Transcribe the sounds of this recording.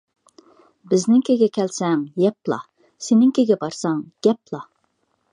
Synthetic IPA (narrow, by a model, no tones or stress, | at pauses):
bɪznɪŋkʲʰeɡʲɛkʲʰɛlsɛŋjɛplˠɑ̰ | senɪŋkʲʰeɡʲɛbɑɾsɑŋɡ̥ʲɛplˠɑ